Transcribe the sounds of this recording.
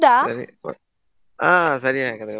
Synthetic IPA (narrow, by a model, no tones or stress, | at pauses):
d̪aːsɐɾḭ | aːsɐɾiakɐðɯkːɐ